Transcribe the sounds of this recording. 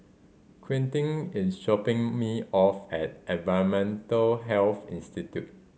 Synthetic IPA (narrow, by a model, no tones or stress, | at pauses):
kʰɹĩntɪ̃ŋɪsʃɔpɪ̃ŋmiɔfɛt̚ʔɛ̃nvaɪɹə̃nmɛ̃ntəlɦɛlθḭ̃nstitjut̚